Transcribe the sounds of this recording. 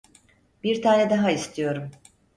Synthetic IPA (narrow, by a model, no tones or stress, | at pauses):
b̥iɾt̪ʰaːnɛd̪aɦaist̪ʰijo̞ɾum